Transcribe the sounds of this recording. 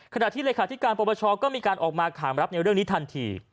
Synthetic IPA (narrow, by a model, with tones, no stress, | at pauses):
kʰa˧na˨˩t̪ʰiː˥˩leː˧kʰaː˨˦˩i˦˥kaː˧npɔː˧bɔː˧t͡ɕʰɔː˧kɔː˥˩miː˧kaː˧nʔɔː˨˩k̚maː˧kʰaː˩˦mɾa˦˥p̚na˧jɾɯ˥˩əŋniː˦˥t̪ʰa˧nt̪ʰiː˧